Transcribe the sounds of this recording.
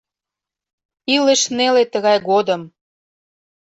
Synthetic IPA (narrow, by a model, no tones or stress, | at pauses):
ilə̆ʃnelet̪əɣɑjɣod̪ə̆m